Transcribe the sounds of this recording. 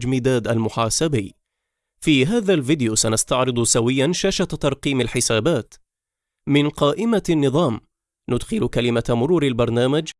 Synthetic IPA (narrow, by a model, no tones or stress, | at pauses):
d͡ʒmiːd̪aːd̪ʔalmʊħaːsabiː | fiːɦaːðalvɪd̪ɪjusanast̪ɑʕɾɨd̪ˤsawɪjːanʃaːʃat̪t̪ɑɾˤqiːmalħɪsaːbaːt̪ | mɪnqɑːʔɪmanːɨðˤɑːm | nʊd̪xɪlkalɪmamʊɾuːɾalbɑɾˤnaːmad͡ʒ